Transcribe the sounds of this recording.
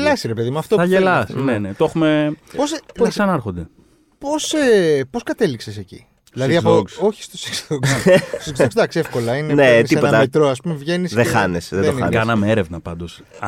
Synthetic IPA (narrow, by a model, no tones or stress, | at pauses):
lɐsiɾepe̞ðimuɐft̪oθɐʝelɐsnene̞t̪oe̞xumepospokssɐnɐeɾxond̪e̞ | po̞sepo̞skɐt̪e̞liksesecḭ | ilɐðiɐðooksoçist̪ose̥ksðoksekzoksd̪ɐksiefko̞lɐineneisiepot̪ɐt̪ɾoɐspumevʝe̞nisðexɐnesðedonɐ̰nkɐnɐmeeɾe̞vnɐpɐnd̪o̞s | ɐ